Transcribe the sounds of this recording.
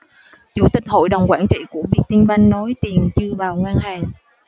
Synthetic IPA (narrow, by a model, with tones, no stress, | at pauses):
t͡ɕṵ˧˩t̪ï˨˩k̟̚ho̰˧˨jɗə˨˩wŋ͡mkwaː˧˩nt͡ɕḭ˧˨ku˧˩əvi˨˩ək̚t̪i˧nɓa˧jŋːɔ˨˦jt̪i˨˩ənt͡ɕɨ˧əvaː˨˩wŋwaː˧nɦaː˨˩ŋ